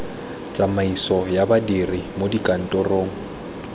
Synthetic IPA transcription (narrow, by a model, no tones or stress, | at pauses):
t͡sʼamaisɔjabadirimodikʼan̩tʼɔroːŋ̩